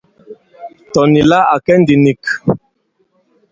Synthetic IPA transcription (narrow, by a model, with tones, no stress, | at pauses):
tɔ˨ni˨la˦a˨kɛ˦ndi˨ni˨k